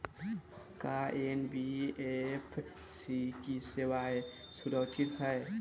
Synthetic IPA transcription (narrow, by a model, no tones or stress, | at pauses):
kaːʔenbiepʰ | siːkisewaj | sudɔt̪ʰit̪̚haj